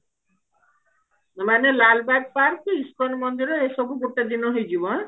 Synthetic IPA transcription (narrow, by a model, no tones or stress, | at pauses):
manelalbad̪̚paɾkiskɔnmɔnd̪iɾɔesɔbʱuɡoʈːed̪inɔɦejd͡ʒibɔn